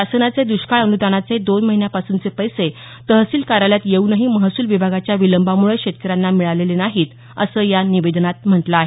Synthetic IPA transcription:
asənat͡sed̪uɕkaɭənud̪anat͡sed̪onməɦinjapasuːnt͡sepəjse | t̪əɦəsiːlkaɾaljat̪jeunəɦiːməɦasuːlʋibʱaɡat͡ɕjaʋiləmbamuɭekɕet̪̚kəɾanːamiɭalelenaɦiːt̪ | əsəːjaniʋed̪nat̪m̤əʈləaɦe

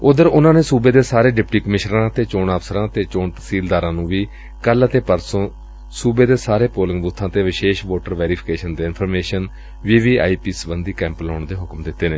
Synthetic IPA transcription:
ʊd̪əɾʊnãːneːsuːbeːd̪eːsaːɾeːɖɪpʈiːkəmɪʃɾãːt̪eːt͡ʃoːɳaːfsəɾãːt̪eːt͡ʃoːɳt̪ə̥siːld̪aːɾãːnũːʋiː | kəlt̪eːpəɾsõː | suːbeːd̪eːsaːɾeːpoːlɪŋɡbut̪ʰːãːt̪eːʋɪʃeːʃʋoːʈəɾʋɛːɾiːpʰɪkeːʃənd̪eːɪnpʰəɾmeːʃən | ʋiːʋiːa̰ːiːpiːsbənd̪iːkɛ̃ːmplaːɳd̪eːɦʊkmd̪ɪt̪ːeːneː

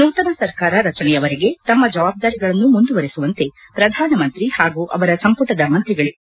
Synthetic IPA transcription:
nuːt̪ɐmɐsɐɾkaːɾɐɾɐt͡ʃɐnɛjɐʋɐɾeɡe̞t̪ɐmːɐd͡ʒɐʋaːb̚d̪aːɾiɡɐɭɐnːumund̪uʋɐɾesuʋɐnt̪e̞ | pɾɐd̪ʱaːnɐmɐnt̪ɾihaːɡuʔɐ̰ʋɐɾɐsɐmpuʈɐd̪ɐmɐnt̪ɾiɡɐɭi

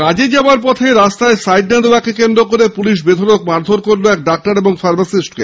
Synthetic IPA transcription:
kad͡ʑed͡ʑaaɾp̬ɔt̪ʰeɾast̪aesajɖnad̪obakekend̪ɾokoɾepuliʃ̬bed̪ʱonok̚maɾd̪ʱoɾkoɾloɛk̚ɖak̚ʈaɾeboŋfaɾbasisʈke

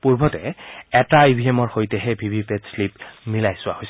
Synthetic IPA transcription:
puɹbʱɔtɛɛtaibʱiemɔɹxojtɛɦɛbʱibʱipedslip̚milajsʊwahojsɛ

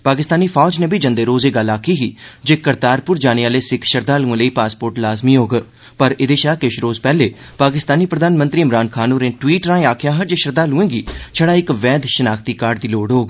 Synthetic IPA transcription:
paːkɪst̪aːniːpʰaːd͡ʒneːbʱiːd͡ʒə̃nd̪eːɾoːzeːɡəlaːkʰiːɦiːd͡ʒeːkəɾt̪aːɾpʊɾd͡ʒaːneaːleːsɪkʰʃəɾd̪aːluẽːləiːpaːspoːɾʈlaːzmiːɦoːɡ | pəɾɪd̪eːʃaːkɪʃɾoːzpɛːleː | paːkɪst̪aːniːpɾəd̪aːnmə̃nt̪ɾiːɪmɾaːnkʰaːnoːɾẽːʈʋiːʈɾãːaːkʰɪjaːɦəd͡ʒeːʃəɾd̪aːluẽːɡiːt͡ʃʰəɽaːɪkʋɛːd̪ʃənaːkʰt̪iːkaːɾɖd̪iːloːɖɦoːɡ

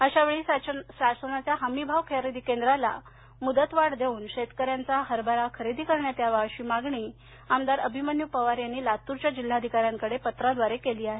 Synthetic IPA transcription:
əɕaʋeɭiːsasasənat͡sjaɦəmibʱaʋkʰeɾed̪ʱiːkend̪ɾala̰ | mud̪ət̪ʋaɽd̪euːnɕet̪kəɾjant͡saɦəɾbʱaɾakʰəɾid̪iːkəɾɳjat̪jaʋaʋɕiːmaɡɳiː | amd̪aɾəbʱimənjupəʋaɾjanːiːlat̪uɾt͡ɕjad͡ʑil̤ːaəd̪ʱikaɾjaŋkəɽepət̪ɾad̪ʋaɾekeliːaɦe

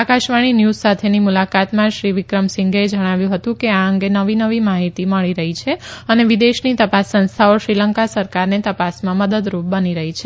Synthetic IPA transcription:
akaʃʋaɽ̃injuzsat̪ʰenimulakat̪mãʃɾiʋɪkɾəmsɪ̃ŋɡed͡ʒəɽ̃aʋjũɦət̪ũkeaəŋɡenəʋinəʋimaɦit̪iməɭiɾəɦit͡ʃʰeəneʋid̪eʃnit̪əpasːə̃nst̪ʰaoʃɾiləŋkasəɾkaɾnet̪əpasmãməd̪əd̪ɾup̚bəniɾəɦit͡ʃʰe

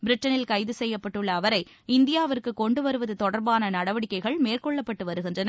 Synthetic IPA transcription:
bɪɾɪʈːɐnɪlkɐɪðɯsɛjːɐpːɐʈːɯɭːɐːʋɐɾɐɪ | ɪnd̪ɪjaːʋɐrkɯkːɔɳɖɯʋɐɾɯʋɐðɯt̪ɔɽɐɾbaːnɐnɐɽɐʋɐɽɪkːɐɪɣɐɭmeːrkɔɭːɐpːɐʈːɯʋɐɾɯɣɪndrɐnɐ

